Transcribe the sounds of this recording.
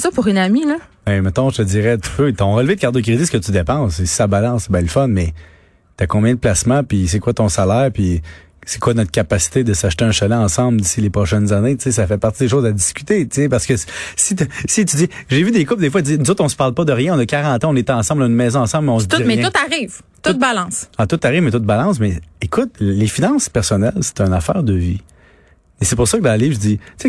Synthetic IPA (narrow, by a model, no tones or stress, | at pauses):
sɔpuʁynamiləbɛ̃mɛt̪ɔ̃ʒət̪əd͡zziːʁɛt̪y̥pøt̪ɔ̃ʁəlved̪̚kaʁd̪ok̬ʲʁizesə̥kət̪yd̪epãsesi̥sabalɑ̃sbɛ̃ləfɔnmɛ | t̪yakɔ̃bjɛ̃d̪əplasmãpis̬ekwat̪ɔ̃salɛːʁpi | se̥kwanɔt̪χkʲapasi̥t̪ed̪əsaʃt̪eɛ̃ʃalɛ̃ɑ̃sɑ̃bld̪isilepʁɔʃɛnzanet͡ses̬afɛpaʁt̪id̪eʃozad̪iskʲy̥t̪et͡sepaʁsə̥kəssit̪sit̪yd͡z̪iʒevyd̪ekʊp̚d̪efwad͡zinuzoʊt̪ʰɔ̃sə̥paʁlpɔd̪əʁjɛ̃ɔ̃nʌkʲaʁɑ̃ːt̪ãɔ̃net̪ɛ̃ɑ̃ːsɑ̃blaynmɛːzɔ̃ɑ̃sɑ̃blmɛɔ̃sdt̪iʁmɛjɛ̃ʊt̪aʁiːv | t̪ʊt̪̚balɑ̃sɑt̪ʊt̪aʁiːvmɛt̪ʊt̪̚balɑ̃s̬mɛekʊt̪̚lefinɑ̃ːspɛʁsɔnɛlse̥t̪ɛ̃nafɛːʁd̪əvi | esepʊʁsʌkəd̪ɑ̃ləliːvʒd͡z̪it͡se